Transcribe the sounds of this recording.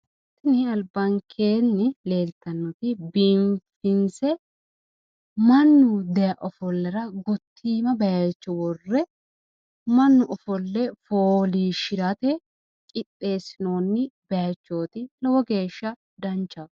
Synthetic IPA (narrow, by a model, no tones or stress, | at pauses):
t̪ːɪnɪɐlbɐŋkʰeːnːɪle̞ːlt̪ːɐnːɔt̪ɪbimfɪnsɛ | mɐnːʊd̪ɛjɐʔɔfɔlːɐɾɐɡɔt̪ʰːiːmɐbɐjɐt͡ʃːɔwɔrːɛ | mɐnːʊʔɔfɔlːɛfoːliːʃɪɾɐt̪ɛ | kʼɪtʼːe̞ːsɪnoːnːɪbɐjɐt͡ʃːo̞ːt̪ɪlɔwɔɡe̞ːʃːɐ | d̪ɐnt͡ʃːɐ